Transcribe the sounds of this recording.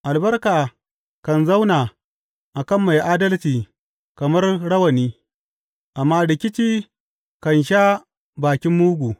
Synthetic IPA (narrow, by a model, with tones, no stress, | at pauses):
ʔa˨lbɐ˦rkaː˨ | kɐ˨nza˦wnaː˨ | ʔa˨kɐ˦mːa˨jʔaː˦dɐ˦lt͡ʃiː˨ | kɐ˨mɐ˦rɽɐ˦wɐ˨niː˦ | ʔa˨mːaː˦lɪ˨kʲɪ˦t͡ʃiː˦ | kɐ˨nʃa˦ | baː˨kʲɪ˦mːuː˦ɡʷuː˨